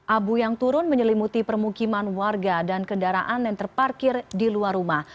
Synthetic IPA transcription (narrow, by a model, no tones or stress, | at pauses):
ʔabujaŋt̪uɾʊnməɲəlimut̪ipərmukimanwarɡadankəndaɾa̰ʔanɛŋt̪ərparkɪrdiluarumah